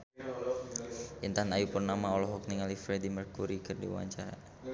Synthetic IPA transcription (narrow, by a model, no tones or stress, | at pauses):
ʔint̪aanajupərnamaɔlɔɦɔk̚niŋalifɾɛdimərkuɾikɨrdḭwa̰ɲt͡ʃa̰ɾa̰